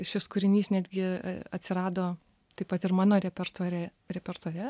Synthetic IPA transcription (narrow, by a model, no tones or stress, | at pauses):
ʃʲɪskʊɾʲɪnʲiːsnʲæːd̪ʲɡʲɪɐt̪ʲsʲɪɾɑːd̪oː | t̪ɐɪpɐt̪ɪrmɑːnoːɾʲɛpʲɛrt̪oːɾʲɛ | ɾʲɛpʲɛɾt̪oːɾʲɛ